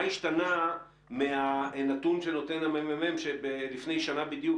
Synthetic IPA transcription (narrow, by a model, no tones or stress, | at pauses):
iʃtana | meanat̪unʃe̞no̞t̪e̞namemememʃebelifne̞jʃanabid̪juk